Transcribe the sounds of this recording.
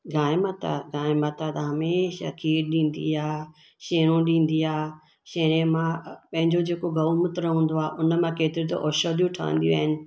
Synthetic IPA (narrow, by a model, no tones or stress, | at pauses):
ɡʱãːɪmɐt̪a̰ɡãːɪ̃mɐt̪at̪ɐɦɐmeːʃa̰kʰiːɖɗĩːn̆d̪ḭaː | ʃeːɽ̃õɗĩːnd̪iaː | ʃeːɽ̃ẽmãpɐ̃ɦɪ̃ɲd͡ʑod͡ʑeːkoɡɐʋmʊt̪ɾɐɦũːn̆d̪oaːʔʊnəmãkeːt̪ɪɾit̪o̰ʔɔːʃoːd̪ijũʈʰa̰ːə̰̃n̆d̪ijṵ̃a̰ːɦɪnɪ̆